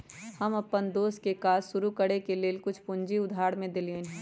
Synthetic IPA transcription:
hɐmɐpːənd̪oːskekaːzʃʊɾukəɽekeleːlkʊt͡ʃʰpʊ̃ɲd͡ʒiʊd̪ʱaːɽmẽd̪ɪliõnɦɛ

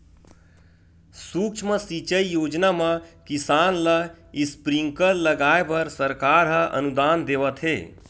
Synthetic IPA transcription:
suːkt͡ʃʰmə̃sit͡ʃəijoːd͡ʒnamãkisaːnlaispɾiŋkəɾləɡaːebəɾsəɾkaːɾɦəʔə̰nud̪aːnd̪eːʋət̪ɦḛː

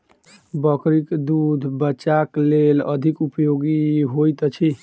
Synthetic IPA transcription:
bəkɾikd̪ud̪ʱbəːt͡ʃaklelə̰d̪ʱikupjoɡiɦojt̪t͡ʃʰi

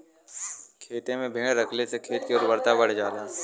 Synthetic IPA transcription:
kʰeːt̪ẽmẽbʱɪɳeɾɐkʰlesekʰeːt̪̚kiɔːɾbɐɾt̪abɐɽ̤d͡ʒaːlaː

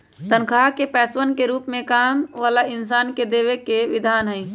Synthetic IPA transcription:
t̪ənkʰaːkepɛːswənkeɾuːpmẽkaːmʋaːlaɪns̬aːnked̪eːʋekeʋɪd̪ʱaːnɦəi

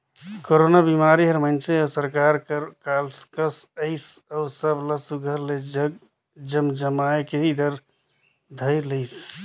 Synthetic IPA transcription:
koɾonabimaɾiɦəɾmənt͡ʃəəsəɾkaɾkkalskəsəɪsəwsəbləsuɡʱəɾled͡ʒəɡ | d͡ʒəmd͡ʒəmaekeɦid̪ʱəɾ | d̪ʱəɪləɪs

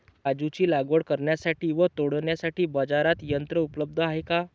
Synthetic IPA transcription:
kad͡zut͡ɕiːlaɡoɽkəɾɳjasaʈiːʋət̪oɽɳjasaʈiːbəd͡zaɾat̪jənt̪ɾəupləb̚d̪ʱəaɦeka

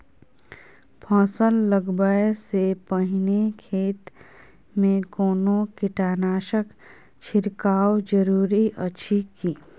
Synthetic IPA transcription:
pʰɔ̃ːsəlːəɡbəesepəɦɪnekʰeːt̪ | mẽɡoːnokɪʈaːnaːʃək | t͡ʃʰɪɾkaːwd͡ʒəɾuːɾiʔəːʃʰikiː

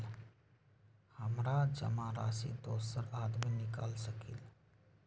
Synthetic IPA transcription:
l | həmɾad͡ʒə̰maɾaːsḭd̪oːsəɾaːd̪minɪkaːlsəkḭl

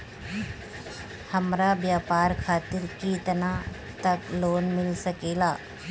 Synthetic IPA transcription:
hɐmɾaʋjaːpaːɾkʰaːt̪ɪɾkit̪əna | t̪ɐkloːnmɪlsɐkeːlaː

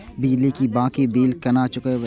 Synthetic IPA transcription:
bid͡ʒlikibãːkibiːlkɐnat͡ʃʊke

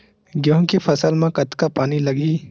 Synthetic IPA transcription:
ɡjõɦkipʰɐsəlmãkɐt̪kapaːnilɐɡiː

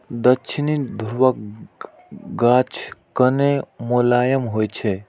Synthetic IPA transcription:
d̪əkːt͡ʃʰinid̪ʱuɾʋək | ɡat͡ʃʰkənemulajəmɦojt͡ʃʰɛ

